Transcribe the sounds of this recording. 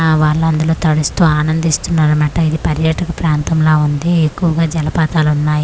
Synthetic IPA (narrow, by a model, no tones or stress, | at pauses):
ʋaːɭːɐnd̪ulo̞ːt̪ɐɽust̪uːaːnɐnd̪ist̪unːaːɾumɐːʈɐid̪ipɐɾjaːʈɐkɐpɾaːnt̪ɐmloːund̪iekːuʋɐɡaːd͡ʒɐlɐpaːt̪aːlunːaːji